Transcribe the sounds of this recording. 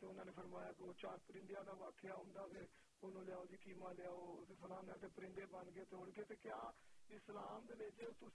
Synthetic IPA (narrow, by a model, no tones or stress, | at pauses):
t̪eːʊnãːneːpʰəɾmaːjaːkoːt͡ʃaːɾpəɾɪɳɖɪjaːd̪aːʋaːkʰːeaːɦʊ̃nd̪aːseː | onõːlɪaːoːd͡ʒiːkiːmãːleaːoːt̪esəlãːnaːt̪eːpəɾɪ̃nd̪eːbənɡeːt̪eoɽkeːt̪eːkɪjaːislaːmd̪eːʋet͡ʃt̪ʊ